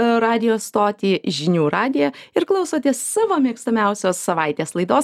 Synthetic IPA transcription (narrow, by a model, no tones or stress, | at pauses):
ɾɑːd̪ʲɪjoːst̪oːt̪ʲiːʒʲɪnʲuːɾɑːd̪ʲɪjɛɪɾklˠɒʊsoːt̪ʲeɛssɑːʋoːmʲiɛkst̪ɐmʲɛʊsʲoːssɐʋɐɪt̪ʲeːslˠɐɪd̪oːs